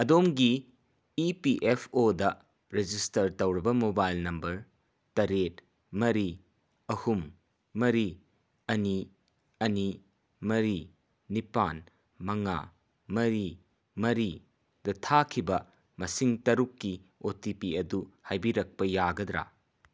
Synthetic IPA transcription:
ɐdomɡiː | piʔepʰodɐ | ɾed͡ʒistɐɾtɐwɾɐbɐmobajlnɐmbɐɾ | tɐɾet | mɐɾi | ɐhumː | ɐɾi | ɐni | ɐni | mɐɾi | nipan | mɐŋa̰ | mɐɾi | mɐɾi | dɐtʰakʰibɐ | mɐsiŋtɐɾukːiotipiɐduhajbiɾɐk̚pɐjaɡɐd̪ɾa̰

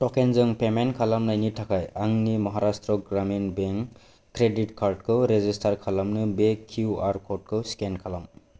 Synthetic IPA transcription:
tɔkenzɯŋpemenkʰalamnajnitʰakʰajaŋnimɔɦaɾastɾɔɡɾaminbeŋ | kːɾeditkʰaɾdkʰɯwɾezistʰaɾkʰalamnɯbekʰjuaɾkʰɔd̚kʰɯwskenkʰalam

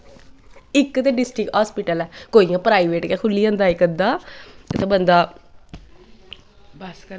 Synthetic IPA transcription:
ɪkːt̪eːɖɪsʈɾɪkɦaːspiːʈəlɛːkoːiːãːpɾaːiʋeːʈkɛːkʰʊlːiːãːnd̪aːekənd̪aːt̪abənd̪aː

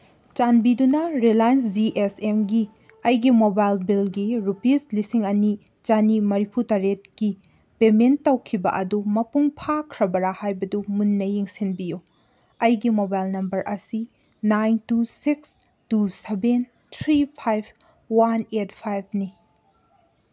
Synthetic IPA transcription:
t͡ʃanbidunɐɾilajns̬d͡ʒiʔesemɡi | ɐjɡimobajlbilɡiɾupislisiŋɐni | t͡ʃanimɐɾipʰutaɾet̚ki | pementːɐwkʰibɐ̰ʔɐdumɐpuŋpʰakʰɾɐbɐɾahajbɐdumunːɐjiŋsinbiju | ɐjɡimobajlnɐmbɐɾʔɐsi | najntusiks | tuseben | tʰɾipʰajb̚ʰ | wanet̚pʰajb̚ʰni

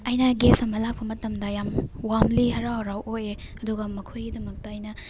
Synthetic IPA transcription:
ɐjnɐɡesɐmɐlak̚pʰɐmɐtɐmdɐjamwamlihɐɾaaɾawʔojeɐduɡɐmɐkʰojɡidɐmɐk̚tɐːjnɐ

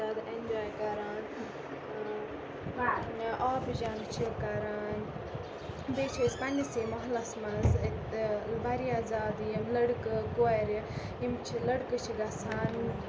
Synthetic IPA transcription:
aːd̪end͡ʒaːjkɐɾaːn | ʔaːbd͡ʒaːnt͡ʃʰikɐɾaːn | bet͡ʃʰɐspɐnʲisimɐɦlɐsmɐz | bɐɾiaːzaːd̪jimlɐɽkɨkoaɾi | jimt͡ʃʰilɐɽkɨt͡ʃʰiɡɐsʰaːn

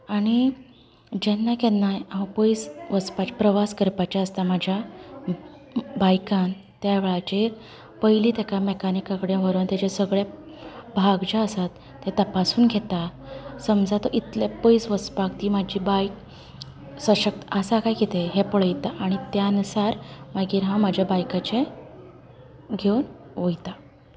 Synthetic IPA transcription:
aɽ̃i | d͡ʑɛnːakenːajapəjsʋəspat͡ɕapɾəʋaskəɾpat͡ɕaəst̪amad͡ʑʱja | bajkãn | t̪jaʋeɭat͡ɕe | pəɦiliːt̪jakamekanikakəɽjãʋəɾənt̪jat͡ɕasəɡɭja | bʱaɡd͡ʑaəsat̪ːet̪əpasuːnɡʱet̪a | səmd͡zʱat̪ɔʔit̪lepəjsʋəspak̚t̪iːmad͡ʑiːbajk | səɕək̚t̪əəsakajɡet̪eɦepəɭəjt̪aʔaɽ̃it̪janusaɾmaɡiːɾɦãmad͡ʑʱjabajkat͡ɕe | ɡʱewn | ʋojt̪a

